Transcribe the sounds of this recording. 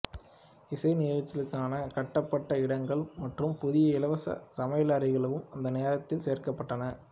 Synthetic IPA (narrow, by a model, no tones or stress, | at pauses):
ɪsɐɪnɪɣɐɐt͡ʃ̪ːɪlɯkːaːnɐkɐʈːɐpːɐʈːɐɪɽɐŋɡɐɭmɐʈrɯmpʊðɪjɐɪlɐʋɐsɐ̰sɐmɐjɐlaːɾɐɪɣɐɭɐʋɯmɐnd̪ɐneːɾɐt̪ːɪlseːɾkɐpːɐʈːɐnɐ